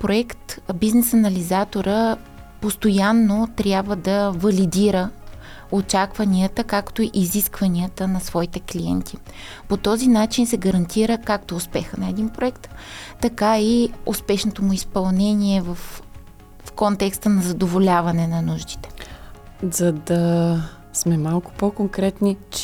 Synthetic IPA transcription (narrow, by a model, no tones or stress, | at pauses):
pɾoɛkt̪biznɛsɐnɐlizat̪oɾə | post̪ojanːot̪ɾʲjabvəd̪ɐvɐlid̪iɾə | ot͡ʃakvɐniət̪əkakt̪oiʔiziskvɐniət̪ənɐsvɔit̪ɛkliɛ̰nt̪ʰi | pot̪ɔzinat͡ʃinsɛɡɐɾɐnt̪ʰiɾəkakt̪oʊspɛxənɐɛd̪inpɾoɛkt̪ːɐkaiʊspɛʃnot̪omʊispɐlˠnɛniɛvəf | fkont̪ɛkst̪ənɐzɐd̪ovolʲavɐnɛnɐnuʒd̪i̥t̪ɛ̥ | zɐd̪ɐ | smɛmalˠkʊ̥pokoŋkɾɛt̪nit͡ʃ